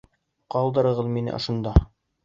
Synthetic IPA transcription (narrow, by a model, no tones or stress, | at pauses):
qɑlˠd̪ɤ̆ɾɤ̆ʁɤðminɘ̰ʔŏ̰ʃɤ̆nd̪ɑ